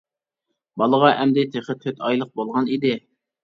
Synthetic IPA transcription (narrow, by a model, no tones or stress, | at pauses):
bɑlˠəʁɑʔɛmd̪ɪt̪ʰeχət̪̚kʰøt̪ʰɑjlˠəq̚bolˠʁɑnid̪ɪ